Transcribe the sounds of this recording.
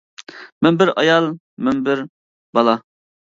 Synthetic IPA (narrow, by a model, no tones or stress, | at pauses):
mɛmbɪɾɑjɑlˠ | mɛmbɪɾ | bɑlˠɑ